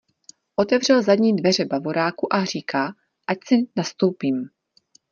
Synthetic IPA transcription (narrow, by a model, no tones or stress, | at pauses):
ʔo̞t̪ɛvr̝ɛlzadɲiːdvɛr̝ɛbavo̞ɾaːkuʔar̝iːkʰaː | ʔacsɪnast̪o̞wpiːm